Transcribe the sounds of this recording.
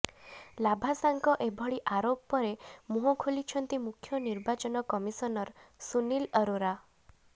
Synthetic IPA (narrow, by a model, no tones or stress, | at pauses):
labʱasaŋkɔʔebʱɔɭiʔaɾoppɔɾemuɦɔkʰolit͡ʃʰɔnt̪imukʰjɔniɾbat͡ʃɔnɔkɔmisɔnɔɾsuniləɾoɾa